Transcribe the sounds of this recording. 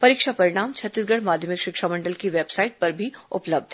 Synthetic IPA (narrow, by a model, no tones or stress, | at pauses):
pɐɾiːkʃapɐɾɪɽ̃aːmt͡ʃʰɐt̪ːɪsɡəɽmaːd̪ʱjəmɪkʃɪkʃamɐ̃ɳɖəlkiʋeːbsaːɪʈ̚pɐɾbʱiʊ̰pləb̚d̪ʱ